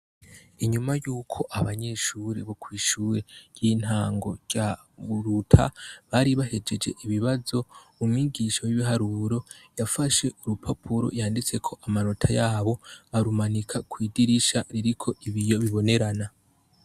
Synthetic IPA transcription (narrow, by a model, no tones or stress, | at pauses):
iɲumajuːkʰo̞ʔaβaɲe̞ʃuːɾeβo̞kwiːʃuːɾe̞̥jiːn̥haːŋɡo̞̰ɟa | βuɾutʰa̰βaɾiβaɦe̞d͡ʒe̞d͡ʒe̞̰ʔiβiβazo̞umŋiːɡiʃowiβiɦaɾuɾo̞jafaʃe̞ʔuɾupʰapʰuɾo̞̰jaːndit͡se̞kʰo̞ʔamaɾotʰajaːβo̞aɾumanikʰakwiːdiɾiʃaɾiɾikʰo̞ʔiβijoβiβo̞ne̞ɾana